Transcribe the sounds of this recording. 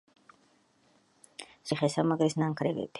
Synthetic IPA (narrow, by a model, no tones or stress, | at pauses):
siχɛsamaɡɾisnaŋkʰɾɛvḭt̪ʰi̥